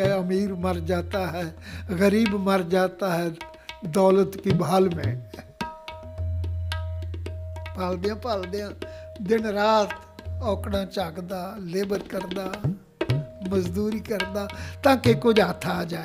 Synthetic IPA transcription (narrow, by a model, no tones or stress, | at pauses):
ɛəmiːɾməɾd͡ʒaːt̪aːɦɛːɣəɾiːbməɾd͡ʒaːt̪aːɦɛː | d̪ɔːlət̪kibʱaːlmḛ̃ː | paːld̪eãːpaːld̪ejãːd̪ɪnɾaːt̪ | ɔːkɽãːt͡ʃaːɡd̪aːleːbəɾkəɾd̪aː | məzd̪uːɾiːkəɾd̪aːt̪ãːkekʊd͡ʒaːt̪ʰːad͡ʒaː